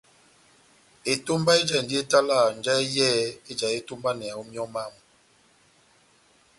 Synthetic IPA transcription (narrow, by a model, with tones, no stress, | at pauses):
e˨to˦mba˦e˦d͡ʒa˦˨n˨di˦e˦ta˦la˦˨n˨d͡ʒa˦e˦jɛ˦e˦d͡ʒa˨e˦to˦mba˦nɛ˨a˨o˦mjɔ˦ma˦˨m